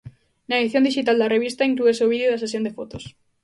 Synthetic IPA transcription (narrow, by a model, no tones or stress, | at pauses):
naeðiθjond̪iʃit̪ald̪ɐreβ̞ist̪aiŋklueseoβ̞iðjoðɐses̬jond̪efot̪os